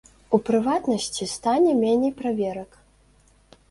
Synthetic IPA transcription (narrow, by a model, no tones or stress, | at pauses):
upɾɨvat̪nɐsʲt͡sʲist̪anʲɛmʲɛnʲɛjpɾavʲɛɾɐk